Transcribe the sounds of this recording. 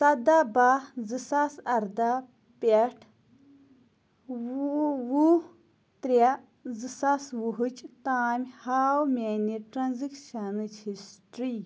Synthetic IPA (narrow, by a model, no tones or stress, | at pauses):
sɐd̪abazɨsasɐɾd̪a | pʲeʈʰ | wu | t̪ɾʲa | zɨsaswuɦut͡ʃt̪aːmʲhaːwmʲeniʈɾɐnzikʃɐnɨt͡ʃʰhisʈɾi